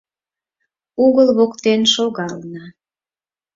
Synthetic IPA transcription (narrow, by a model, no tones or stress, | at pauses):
uɣəlβokt̪enʃoɣɑlnɑ